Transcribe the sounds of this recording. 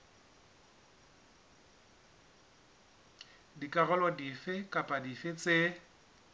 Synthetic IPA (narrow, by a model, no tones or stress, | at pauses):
dikʼaɣɔlwadifɪkʼapʼadifɪt͡sʼe